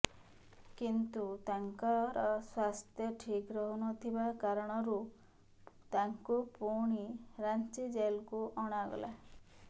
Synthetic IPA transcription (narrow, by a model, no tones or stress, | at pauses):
kint̪ut̪aŋkɔɾɔswast̪ʰjɔʈʰikɾɔɦunɔt̪ʰibakaɾɔɽ̃ɔɾu | t̪aŋkupuɽ̃iɾant͡ʃid͡ʒelkuʔɔɽ̃aɡɔ̰la̰